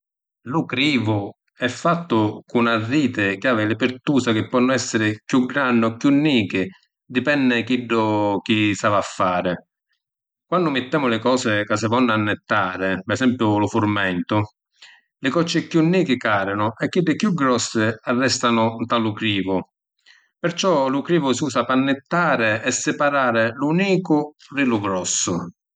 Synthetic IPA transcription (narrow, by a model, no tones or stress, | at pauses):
lʊkɾiːvʊ | ɛfːat̪ːʊkʊnarːiːt̪ɪk̟ɪaːvɪlɪpɪɾt̪uːsak̟ɪpːɔnːʊɛsːɪɾɪkjuɡɾanːʊɔkːjunːiːkɪ | d̪ipɛnːɪkiɖːʊk̟isavafːaːɾɪ | kwanːʊmɪt̪ːɛːmʊlɪkɔːsɪkas̬ɪvɔnːʊanːɪt̪ːaːɾɪpɛsɛmpjʊlʊfʊɾmɛnt̪ʊ | lɪkɔt͡ʃːɪkjunːiːkɪkaːɾɪnʊɛkːiɖːɪkːjuɡɾɔsːɪarːɛst̪anʊt̪alʊkɾiːvʊ | pɪɾt͡ʃɔlʊkɾiːvʊsiuːsapanːɪt̪ːaːɾɪɛsːɪpaɾaːɾɪluniːkʊrilʊɡɾɔsːʊ